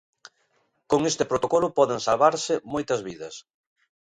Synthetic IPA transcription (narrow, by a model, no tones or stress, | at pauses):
koŋest̪ɪpɾot̪okɔlʊpɔðeŋsalβaɾsɪmojt̪ɐzβiðɐs